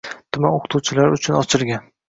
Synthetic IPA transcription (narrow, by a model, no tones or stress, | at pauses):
t̪ʰʊmanoqʰɨ̥t̪ʰuwt͡ʃʰɪlaɾʊt͡ʃʰʊnɒt͡ʃʰɪɾɡʲan